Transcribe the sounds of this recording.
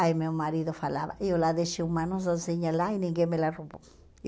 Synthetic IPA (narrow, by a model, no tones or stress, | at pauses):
ajmeomaɾid̪ofalaba̰ʔjolad̪eʃiumanozozeɲalajniŋɡemelaɾubo